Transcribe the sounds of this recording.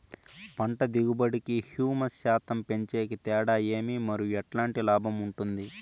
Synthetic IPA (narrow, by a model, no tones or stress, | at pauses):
pɐɳʈɐd̪iɡubɐɽikihjuːmɐsjaːt̪ɐmpe̞ɲt͡ʃe̞ːkit̪ɛːɽaːje̞ːmimɐɾijuɛʈlaːɳʈilaːbʱɐmuɳʈund̪i